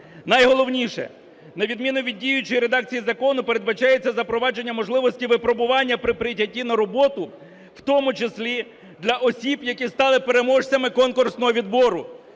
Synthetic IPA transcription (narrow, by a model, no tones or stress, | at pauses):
nɐjɦɔlˠɔwnʲiʃɛ̰ | nɐʋʲid̪mʲinʊʋʲidʲːijʊt͡ʃɔjiɾe̞d̪ɑkt͡sʲijizɐkɔnʊpe̞ɾe̞d̪bɐt͡ʃɑjet͡sʲːɐzɐpɾɔʋɑd͡ʒe̞nʲːɐmɔʒlˠɪʋɔsʲtʲiʋɪpɾɔbʊʋɑnʲːɐpɾɪpɾɪjtʲɐtʲːinɐɾɔbɔt̪ʊ | wt̪ɔmʊt͡ʃesʲlʲi | d̪lʲɐʔɔsʲibjɐkʲist̪ɑlˠɪpe̞ɾe̞mɔʃt͡sʲɐmɪkɔnkʊrsnɔɦɔʋʲid̪bɔɾʊ